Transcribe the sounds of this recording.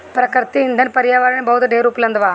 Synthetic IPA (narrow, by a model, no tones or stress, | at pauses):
pɾkəɾt̪iɪ̃nd̪ənpɐɾɪjaːʋaːɾəɽ̃ẽbɐɦʊt̪ɖʱeːɾuːplɐ̃nd̪ʋaː